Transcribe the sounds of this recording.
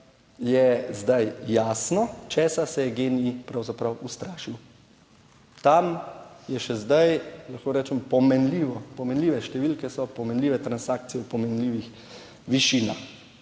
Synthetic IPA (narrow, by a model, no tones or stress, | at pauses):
jɛzd̪ajːaːsnɔt͡ʃɛːsasɛjɛɡenipɾawzapɾawust̪ɾaːʃiw | t̪amjɛʃɛzd̪ajlaxkoːɾɛːt͡ʃɛmpɔmɛnliːʋɔpɔmɛnliːʋɛʃt̪ɛʋiːlkɛsɔpɔmɛnliːʋɛt̪ɾansaːkt̪sijɛwpɔmɛnliːʋix | ʋiʃiːna